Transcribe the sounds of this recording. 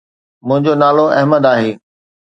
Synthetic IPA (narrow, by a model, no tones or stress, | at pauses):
mʊ̃ɦɪ̃ɲd͡ʑonaːloɐɦməd̪aːɦeː